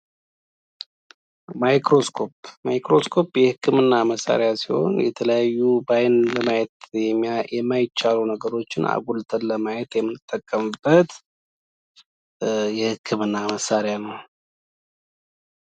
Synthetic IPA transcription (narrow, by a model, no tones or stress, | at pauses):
majkɾo̞skʰo̞pmajkɾo̞skʰo̞pːjɛhɨkːɨmɨnːaməsːa̰ɾejasiho̞̰njɛt̪ʰələjajːubajnləmajɛt̪ɛjɛmːajɪt͡ʃːalunəɡəɾo̞t͡ʃːɪna̰ɡʷult̪ʰənləmajɛt̪jɛmːɨnːɨt̪ʼːəkʼːəmɨbːət̪ | jɛhɨkʰːɨmɨnːaməsːaɾjanəw